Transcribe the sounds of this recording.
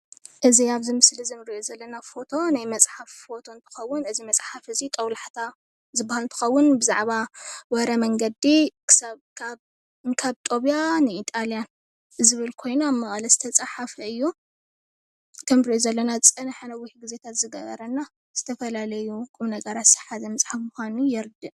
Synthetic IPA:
ʔɨziaβzɨmɨslizɨmɾiʔozɐlːɐnafo̞t̪ʰo̞najmɐt͡sʼħafːo̞t̪ʰo̞nt̪ʰɨ̥xɐwːʊnɨzimɐt͡sʼħafɨzit̪ʼɐwlħt̪ʰa | zɨbːahalɨnt̪ʰɨ̥xɐwːʊnbɨza̰ʕβawɐɾɐmɐŋɡɐd̪ikʰɨ̥sakʰa | kʰaβt̪ʼo̞βijanɨit̪ʼaljan | zɨβɨlkʰo̞jnamːɐχʼɐlɐzɨ̥t̪ʰɐt͡sʼaħafɐɨjːu | t̪ʰɐmbɾiozɐlːɐnat͡sʼɐnħɨnɐwiħɡize̞t̪ʰat̪zɨɡɐ̰βɐ̰ɾɐnːa | z̥ɨt̪ʰɐfɐlalɐjukʼuβnɐɡɐɾat̪sɐ̥ħazɐmɐsʼħafmuxʷanujɛɾd̪ɨʔ

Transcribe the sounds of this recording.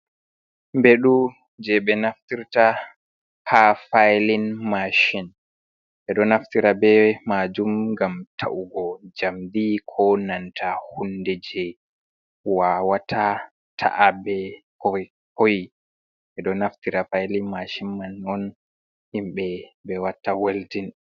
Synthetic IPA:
mbeɗu | d͡ʒɛɓɛnaftiɾta | hafajlinmaʃin | ɓɛɗɔnaftiɾabɛmad͡ʒumɡamtʰa̰ʔuɡɔd͡ʒamd̪ikʰɔnantʰahundɛd͡ʒɛ | wawatʰa | tʰa̰ʔabɛkɔ | koj | ɓɛɗɔnaftiɾafajlinmaʃinmanɔn | himɓɛbɛwatːaweldin

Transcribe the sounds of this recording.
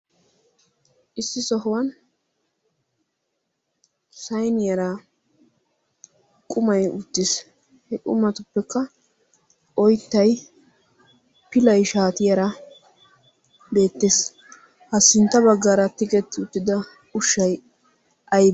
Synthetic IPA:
ʔɪsːɪsɔɦʊwɐn | sɐjnɪjɐɾa | kʼʊmɐjʊt̪ːɪs | hɛkʼʊ̰mɐt̪ʊpːɛkːɐ | ʔɔjt̪ːɐj | pɪlɐjʃaːt̪ɪjɐɾɐ | be̞ːt̪ːeːs | hɐsːɪnt̪ːɐbɐɡːaːɾɐt̪ɪkʼɛt̪ːɪʊt̪ːɪd̪ɐ | ʊʃːɐj | ʔɐj

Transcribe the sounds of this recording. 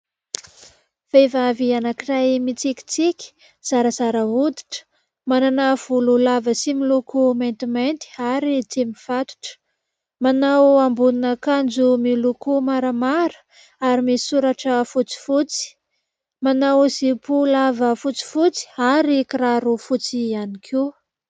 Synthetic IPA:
v̥evavianakirajmit͡sikʲi̥t͡sikʲi̥ | z̥aɾəzaɾəɦud̪i̥ʈ͡ʂə̥ | mananav̥ululavəsimilukʰument̪iment̪i̥aɾit͡semiv̥at̪u̥ʈ͡ʂə̥ | manawambuninəkand͡ʒumilukumaɾəmaɾə̥ | aɾimisuɾaʈ͡ʂəfut͡si̥fut͡si̥ | manawzipulavəfut͡si̥fut͡si̥aɾikiraɾufut͡sianikʰi

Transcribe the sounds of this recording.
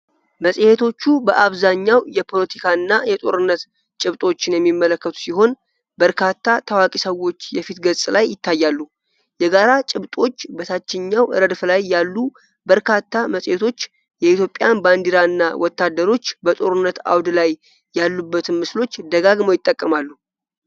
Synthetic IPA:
məsʼhet̪ʰo̞t͡ʃːubəʔaβzaɲːawjɛpʰo̞lət̪ʰikʰaɨnːajɛt̪ʼo̞̰ɾɨnːət̪ | t͡ʃʼɪβt̪ʼo̞t͡ʃːɪnjɛmːimːələkːət̪ʰu̥siɦo̞n | bəɾkʰat̪ʰːat̪ʰəwakʼisəwo̞t͡ʃːjɛfit̪ɡəsʼlajːɪt̪ʰːajːalːu | jɛɡaɾat͡ʃʼɪβt̪ʼo̞t͡ʃːbət̪ʰat͡ʃːɪɲːawɨ̰ɾəd̪flajːalːu | bəɾkʰat̪ʰːaməsʼjet̪ʰo̞t͡ʃː | jɛit̪ʰjo̞pʼːjanband̪iɾaɨnːa̰wɔt̪ːad̪əɾo̞t͡ʃːbət̪ʼo̞ɾɨnːət̪a̰wd̪lajː | alːubːət̪ʰɨnmɨslo̞t͡ʃːd̪əɡaɡmojɪt̪ʼːəkʼːəmalːu

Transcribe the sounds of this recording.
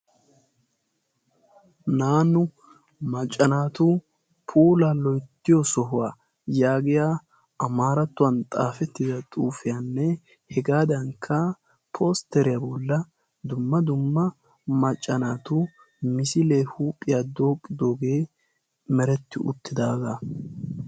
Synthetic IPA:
naːnːʊ | mɐt͡ʃʼːɐnaːt̪u | pʰuːlalɔjt̪ːɪjɔsɔɦʊwaː | jaːɡɪjaː | ɐmaːɾɐt̪ːʊwɐnt̪ʼaːfɛt̪ːɪd̪ɐt̪ʼuːfɪjanːɛ | hɛɡaːd̪ɐŋkʰːɐ | pʰoːst̪ɛɾɪjabɔlːɐ | d̪ʊmːɐd̪ʊmːɐ | mɐt͡ʃʼːɐnaːt̪ʊ | mɪsɪle̞ːhuːpʼːɪjaːd̪o̞ːkʼːɪd̪o̞ːɡe̞ː | mɛɾɛt̪ːɪʔʊ̰t̪ʰːɪd̪aːɡa

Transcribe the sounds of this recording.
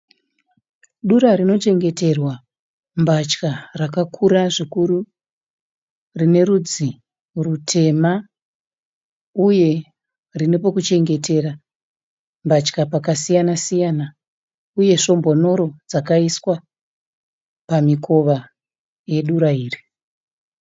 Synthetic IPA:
ɗuɾarino̞t͡ʃe̞ŋɡe̞te̞rwa | mbat͡ʃkarakakʰuɾaʐikuɾu | rine̞ɾud͡zi | rutʰe̞ma | uje̞ | rinepo̞kut͡ʃe̞ŋɡe̞te̞ɾa | mbat͡ʃkapakasijanasijana | uje̞ʂo̞mbo̞no̞ɾo̞d͡zakaiswa | pamikʰo̞ʋa | je̞ɗuɾaiːri

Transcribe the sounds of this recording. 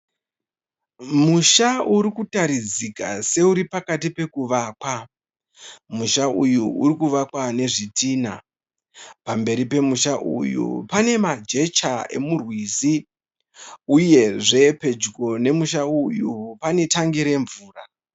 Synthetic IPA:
muʃauɾikutaɾid͡zika̰se̞uɾipakatipe̞kuʋaːkwa | muʃaujuuɾikuʋakwane̞ʐitiːna̰ | pambe̞ɾipe̞muʃaʔṵjṵpane̞mad͡ʒe̞t͡ʃae̞̰murwiːzi | uje̞ʐe̞pe̞d͡ʒko̞ne̞muʃaujupane̞taŋɡiɾe̞ɱvuːra

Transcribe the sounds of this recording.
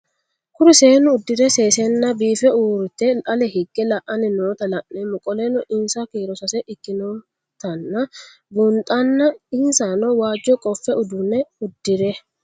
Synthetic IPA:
kʊɾɪseːnʊʊd̪ːɪɾɛseːsɛnːɐbiːfɛuːɾt̪ɛɐlɛhɪɡːɛlɐʔɐnɪnoːt̪ɐlɐʔnɛmʊkʼɔleːnɔʔɪnsɐkiːɾɔsɐsɛʔɪkːɪnoː | t̪ɐnːɐ | bʊnt̪ʼɐnːɐɪnsanɔwaːd͡ʒːɔkʼɔfːɛʊd̪ʊnɛʊd̪ːɪɾɛ

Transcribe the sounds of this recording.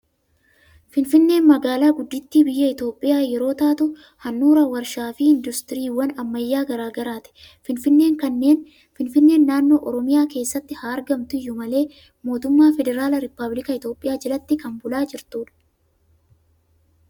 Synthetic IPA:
fɪnfɪnːe̞ːnmɐɡaːlaːɡʊd̪ːɪt̪ːiːbɪjːɐɪt̪o̞ːpʼːɪjaːjɛɾo̞ːt̪aːt̪ʊ | hɐnːuːɾɐwɐɾʃaːfiɪnd̪ʊst̪ɪɾiːwɐnɐmːɐjːaːɡɐɾaːɡɐɾaːt̪ɛ̥ | fɪnfɪnːe̞ːŋkɐnːe̞ːn | fɪnfɪnːe̞ːnːaːnːo̞ːʔɔɾɔmɪjaːke̞ːsːɐt̪ːɪhaːɾɡɐmt̪ʊɪjːʊmɐle̞ː | mo̞ːt̪ʊmːaːfɛd̪ɛɾaːlɐɾɪpːɐblɪkɐɪt̪o̞ːpʼːɪjaːd͡ʒɐlɐt̪ːɪkɐmbʊlaːd͡ʒɪɾt̪uːᶑɐ̥

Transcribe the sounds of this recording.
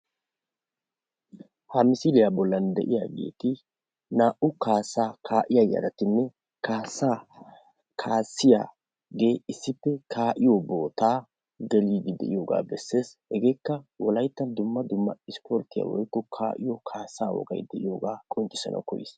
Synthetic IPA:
hɐmɪsɪd̪ɪjabɔlːɐnd̪ɛ̰ʔɪjaːɡe̞̰ːt̪ɪ | naːʔʊkaːsaːkʰaːʔɪjaja̰ɾɐt̪ɪnːɛ | kaːsaː | kʰaːsːɪja̰ː | ɡe̞ːɪsːɪpːɛkʰaːʔɪjɔboːt̪aː | ɡɛliːɡ̪ɪd̪ɛ̰ʔɪ̰joːɡa̰ːbɛsːe̞ːshɛɡe̞ːkːɐwɔlɐjt̪ːɐnd̪ʊmːɐd̪ʊmːɐ̰ɪspɔɾt̪ɪja̰wɔ̰jkːɔkʰaːʔɪjɔkʰaːsaːwɔ̰ɡɐ̰jd̪ɛʔɪ̰joːɡaːkʼɔnt͡ʃʼːɪ̥sɐ̰nɐ̰kɔjɪ̰s

